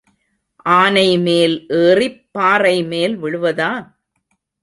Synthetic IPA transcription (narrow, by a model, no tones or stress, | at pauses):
ʔaːnɐɪmeːlʔeːrɪpːaːɾɐɪmeːlʋɪɻɯʋɐðaː